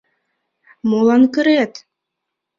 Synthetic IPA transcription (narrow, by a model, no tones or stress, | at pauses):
molˠɑnkɘ̆ɾet̪